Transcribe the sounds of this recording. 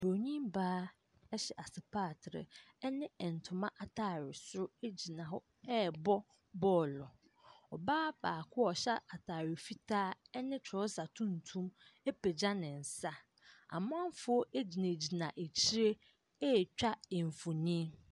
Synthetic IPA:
b̥o˨ɲĩ˦mbaː˦ | ɛ˦ɕɛ˨ʔa˨sɪ˨pʰaː˦˨tʰɾɪ̰˨ɛ˦nɪ̃˦ɛ˨n̩˨tʰʊ˨mã˦ʔa˨tʰa˦˨ɾɪ˨sʊ˦e˦d͡ʑi˨nã˨ɦʊ˦ | ɛ˦˨bɔ˦ | bɔː˦lɔ˨ | ɔ˨baː˦baː˨kʰʊ˦ɔ˨ɕa˦a˨tʰaː˨ɾɪ˨fi˦tʰaː˦ɛ˦nɪ̃˦t͡ɕʰɾɔ˦sa˨tʰũ˦n̩˨tʰũ˦me˦pʰe˨d͡ʑa˦nɪ̃˨n̩˨sa˦ | a̰˨m˦ã˦m˦fʊ˨˦ɔ˦ʔe˦d͡ʑi˨nẽ˨d͡ʑi˨nã˨ʔe˨t͡ɕʰi˦ɾe˦ | ɛ˦˨t͡ɕᶣa˦ɪ˨ɱ˨fo˨nĩ˦

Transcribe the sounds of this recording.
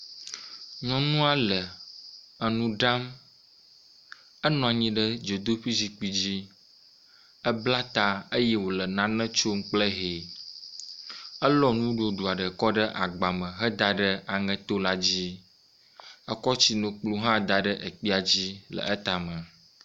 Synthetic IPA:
ɲɔ̃˦nũ˦a˨lə˨ | ə˨nũ˦ɖa˦m | ə˦nɔ̃˨a˨ɲĩ˦ɖə˦d͡ʒo˨d̪o˦ɸi˦zi˨k͡pi˦d͡ʑi˦ | ə˦bla˦t̪a˨ə˦jɛ˦wo˨lə˨nã˨nə̃˦t͡ʃo˦ŋ̩˦k͡plə˦ɦe˨ | ə˦lɔ˦nũ˦ɖo˦ɖu˨a˨ɖə˨kɔ˦ɖə˦ʔa˨ɡ͡ba˨mə̃˨ɦə˦d̪a˨ɖə˦a˨ŋə̃˨t̪o˦la˦d͡ʑi˦ | ə˦kɔ˦t͡ɕi˨nõ˨k͡plu˦ɦã˦d̪a˨ɖə˦ʔə˨k͡pi˦a˨d͡ʑi˦lə̰˨ʔə˦t̪a˨mə̃˨

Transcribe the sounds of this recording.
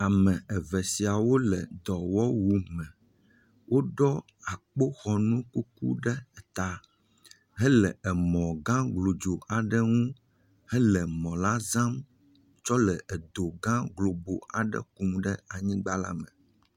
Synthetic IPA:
a˨mɛ̃˨ɛ˨vɛ˨si˨a˨wo˦lɛ˨d̪ɔ˨wɔ˦wu˨mɛ̃˨ | wʔo˦ɖɔ˦ | a˨k͡po˦xɔ˨nũ˦ku˦kṵ˦ɖɛ˦˨t̪a˨ | ɦɛ˦lɛ˨ʔɛ˨mɔ̃˨ɡã˦ɡlo˨d͡ʒo˨a˨ɖə˦ŋũ˦ | hɛ˦lɛ˨mɔ̃˨la˦zã˦m | t͡ʃɔ˦lɛ˨ʔɛ˨d̪o˨ɡã˦ɡlo˨bo˨a̰˨ɖə̰˦˨ku˨mɖɛ˦a˨ɲĩ˦ɡ͡ba˦la̰˦mə̃˨

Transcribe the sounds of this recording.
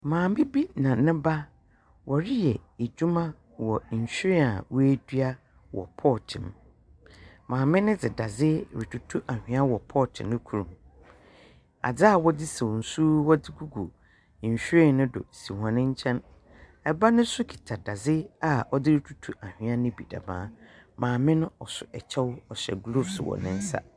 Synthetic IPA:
mãː˨m˦bi˦bi˦nã˨nɪ̃˦ba˦ | wʔɔ˨ɾɪ˦jɛ˨e˨d͡ʑᶣu˦mã˦ | wɔ˨ɕᶣɾɪ̃˦a̰˨wɔ˦e˦dɥa˦ | wɔ̰˨pʰɔ˦˨t͡ɕʰɪ̰̃˨m | mãː˨mɪ̃˦nɪ̃˦d͡zɪ˨da˨zɪ˦ɾi˨tʰu˨tʰu˦ʔa˨hᶣɪ̃˨˦a˦wɔ˨pʰɔ˦˨t͡ɕʰɪ̰̃˨nːʊ̃˦kʰu˦ɾũ˨m | a̰˨d͡za˦a˨wɔ˦dɪ˦sɛ˨wɔ˨n̩˨suː˦wɔ˦dɪ˦ɡu˦ɡu˨ | ɲ̩˨ɕᶣɾɪ̃˦˨nʊ̃˦dʊ̰˨si˨hã˨nɪ̃˦ɲ˦t͡ɕʰɛ̃˦n | ɛ˨ba˦nʊ̃˦sʊ˦kʰi̥˨tʰa˨da˨zɪ˦a˨ɔ˦dɪ˦ɾɪ˨tʰu̥˦tʰu˦ʔa˨hᶣɪ̃˨˦a˦nɪ̃˦bi˨da̰˨mã̰ː˨˦mãː˨mɪ̃˦nʊ̃˦ɔ˨sʊ˨ʔɛ˨t͡ɕʰɛ˦wʊ˦ɔ˨ɕɛ̰˨ɡlo˦˨fswɔ̰˨nɪ̃˦n̩˦sa̰˦

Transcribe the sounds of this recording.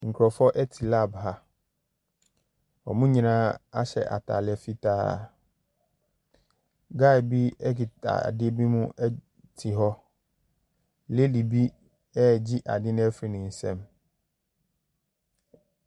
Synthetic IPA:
ŋ̩˨kʰɾɔ˨fɔ˦ʔɛ˦tʰi˨la˦˨bha˦ | ɔ̰˨mũ˦ɲĩ˨nãː˦a˦ɕɛ̰˨ʔa̰˨tʰa̰ː˨lɪ˨ɛ˨fi˦tʰa̰ː˦˨ | ɡa˦˨bi˦ɛ˦ɡi˨ta̰˨dɪ˦bi˦mũ˦ɛ˦ | tʰi˨ɦɔ˦ | le˦li˨bi˦ | ɛ˦˨d͡ʑi˦ʔa˨dɪ˦nʊ̃˦ɛ˦fɾi˨nʊ̃˨n̩˨sɛ̰̃˦m

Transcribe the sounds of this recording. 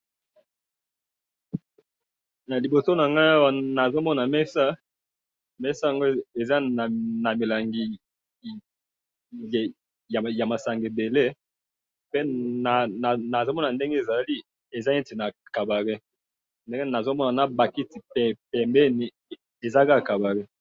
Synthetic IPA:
na˨li˨bo˨so˦na˨ŋɡa˦a˦wa˨na˨zo˦mɔ˦na˨mɛ˦sa˦ | mɛ˦sa˦ja˨ŋɡo˦e˨za˦˨na˨mi˨la˨ŋɡi˨ | ja˨ja˨ma˨sa˨ŋɡe˨be˨le˦ | pe˦na˨a˨na˨zo˦mɔ˦na˨nde˦ŋɡe˦e˨za˨li˦ | e˨za˦e˦ti˨na˨ka˨ba˨ʁi˦ | nde˦ŋɡna˨zo˦mɔ˦na˨na˨ba˨ki˦ti˨pɛ˨pɛ˨mbɛ˦ni˨ | e˨za˦ka˦˨ka˨ba˨ʁi˦

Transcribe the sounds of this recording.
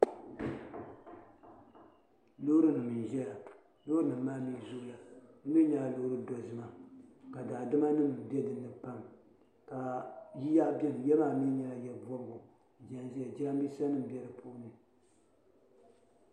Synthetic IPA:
lo˦hɾɨ˦nɨ˨mɨ˨n˨ʒɛ˦la˨ | lo˦ɾɨ˦nɨ˨m˦maː˦mi˦zu˦la˨nɨ˦mi˦ɲa˨a˨lo˦ɾɨ˦dɔ˨zɨ˦ma˨ka˨daː˨dɨ˦ma˦nɨ˦m˨bɛ˦dɨ˨nːɨ˨pa˦˨m | ka˨ji˦ja˦ʔbjɛ˦˨m˨jɛ˦maː˨mi˦ɲɛ˨la˨jɛ˦˨bɔ˦m˦ɡʊ˨ | d͡ʒa˦nzi˦ja˨d͡ʒa˦a˦m˦bi˦sa˦nɨ˦m̩˨bjɛ˦dɨ˨pʰu˦nɨ˨

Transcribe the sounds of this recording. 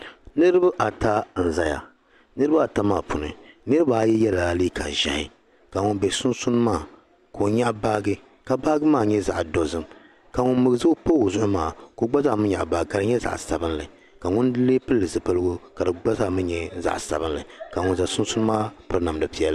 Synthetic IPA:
nɨ˦ɾɨ˦ba˦ʔa˨ta˦˨n̩˨za˦ja̰˨ | nɨ˦ɾɨ˦ba˦a˨ta˦maː˨pʰʊ˨nɨ̰˨nɨ˦ɾɨ˦ba˦˨jɛ˦jɛ˦la˨liː˦ka̰˨ʒɛ̰˨hɪ˨ | ka˨ŋʊ˦nbɛ˨sʊ˦nsʊ˦n˦maː˦˨ | koː˨ɲa˦ʔba˦ɡɨ˦ | ka˨ba˦ɡɨ˦maː˦˨ɲɛ˦za̰˨ʔdo˨zɨ˦m | ka˨ŋʊ˦nmɨ˨ɡzɨ˦po˦˨zʊ˦ʔʊ˦maː˨ko˦ɡ͡ba˦za˦˨mɨ˦ɲa̰˨ʔba˨ɡka˨ɾɨ˦ɲɛ˦za̰˨ʔsa˨bɨ˦nlɨ˨ | ka˨ŋʊ˦n˦leː˦pɨ˦lːɨ˨zɨ˨pɨ˦lɨ˦ɡʊ˦ka˨dɨ˨ɡ͡ba˦za˦˨mɨ˦ɲɛ˨za̰˨ʔsa̰˨bɨ˦nlɨ˨ka˨ŋʊ˦nza˨sʊ˦n˦sʊ˦n˦maː˦pɨ˦ɾɨ˦na˨m˨dɨ˨pi˦ɛ˦l

